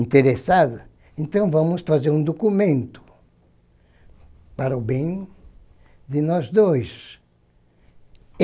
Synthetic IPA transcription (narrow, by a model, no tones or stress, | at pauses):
nt̪eɾesaðʊ | ẽnt̪ɐ̃w̃vɐ̃mʊsfazeɾũd̪okumẽnt̪ʊ̥ | paɾɐʊbẽj̃ | d̪ɪnɔzd̪ojs